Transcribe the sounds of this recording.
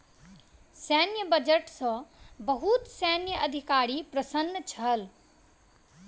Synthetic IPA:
sɛnjəbɐd͡ʒəʈsɔ̃bəɦut̪sɛːnjəɐd̪ʱikaːɾipɾɐsənːət͡ʃʰɐl

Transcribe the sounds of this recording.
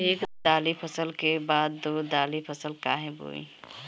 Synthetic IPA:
eːkd̪aːlipʰəsəlkebaːd̪ːoːd̪aːlipʰəsəlkaːɦɛ̃bo̰ːḭ

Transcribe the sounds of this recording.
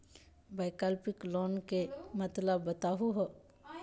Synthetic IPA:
baːjkəlpɪkloːnkemət̪ləbːət̪aːɦuɦo

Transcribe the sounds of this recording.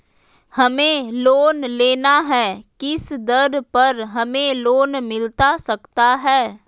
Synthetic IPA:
hɐmẽloːnleːnaɦɛːkɪsd̪ɐɾpɐɾɦɐmẽloːnmɪlt̪asɐkt̪aɦɛː

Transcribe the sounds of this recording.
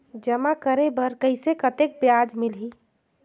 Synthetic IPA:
d͡ʒəmakəɾebəɾkəɪsekət̪ek̚bjad͡ʒmilɦi

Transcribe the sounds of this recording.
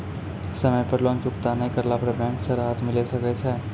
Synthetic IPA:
səməjpəɾlõːŋt͡ʃʊkt̪anəɦĩkɐɾlapɽebɛ̃ːŋksəɾɦat̪ʰmɪlesɐkɛt͡ʃʰɛː

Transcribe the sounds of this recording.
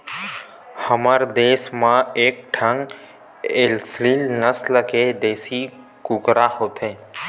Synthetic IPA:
həməɾd̪eːsmãeːk̚ʈʰə̃ŋɡ | elsɾiːlnəsləked̪eːsi | kʊkɾahoːt̪ʰẽː

